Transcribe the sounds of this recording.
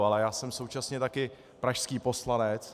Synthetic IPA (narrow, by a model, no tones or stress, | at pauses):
alɛjaːsɛmsowt͡ʃasɲɛt̪akɪ | pɾaʃskiːpo̞slanɛt͡s